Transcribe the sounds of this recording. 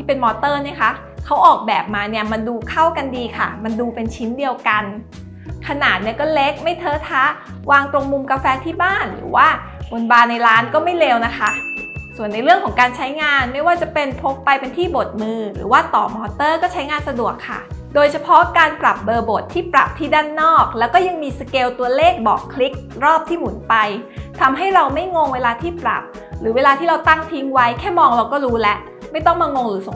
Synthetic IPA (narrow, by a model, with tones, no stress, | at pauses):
t̪ʰiː˥˩pe˧nmɔː˧t̪ɤː˥˩ni˥˩ɐkʰa˦˥ | kʰa˦˥wʔɔː˨˩k̚bɛː˨˩p̚maː˧ni˥˩ɐma˧nduː˧kʰa˥˩wka˧ndiː˧kʰa̰˥˩ma˧nduː˧pe˧nt͡ɕʰi˦˥ndi˧əwka˧n | kʰa˧naː˨˩t̪̚ni˥˩ɐkɔː˥˩le˦˥k̚ma˥˩jt̪ʰɤː˦˥t̪ʰa˦˥ | waː˧ŋt̪ɾo˧ŋmu˧mkaː˧fɛː˧t̪ʰiː˥˩baː˥˩nɾɯ̰ː˩˦waː˥˩ | wo˧nbaː˧nːa˧jɾaː˦˥nkɔː˥˩ma˥˩jleː˧wna˦˥kʰa˦˥su˨˩ənːa˧jɾɯ˥˩əŋkʰɔ˩˦ŋkaː˧nt͡ɕʰa˦˥jŋaː˧nma˥˩jwaː˥˩t͡ɕa˨˩pe˧npʰo˦˥p̚ːa˧jpe˧nt̪ʰiː˥˩bo˨˩t̪̚mɯː˧ɾɯ̰ː˩˦waː˥˩t̪ɔː˨˩mɔː˧t̪ɤː˥˩kɔː˥˩t͡ɕʰa˦˥jŋaː˧nsa˧du˨˩əkʰːa̰˥˩doː˧jt͡ɕʰa˧pʰɔ˦˥kaː˧npɾa˨˩p̚bɤː˧bo˨˩t̪ʰːiː˥˩pɾa̰˨˩p̚t̪ʰiː˥˩daː˥˩nːɔː˥˩k̚lɛː˦˥wkɔː˥˩ja˧ŋmiː˧sa˧keː˧wt̪u˧ɐleː˥˩k̚bɔ̰ː˨˩kʰli˦˥k̚ɾɔː˥˩p̚t̪ʰiː˥˩mu˩˦npa˧jt̪ʰa˧mɦa˥˩jɾa˧wma˥˩jŋo˧ŋweː˧laː˧t̪ʰiː˥˩pɾa̰˨˩p̚ | ɾɯː˩˦weː˧laː˧iː˥˩ɾa˧wt̪a˥˩ŋt̪ʰi˦˥ŋwa˦˥jkʰɛː˥˩mɔː˧ŋɾa˧wkɔː˥˩ɾuː˦˥lɛ˦˥ʔ | ma˥˩jt̪ɔ˥˩ŋmaː˧ŋo˧ŋɾɯː˩˦so˨˩˦ŋ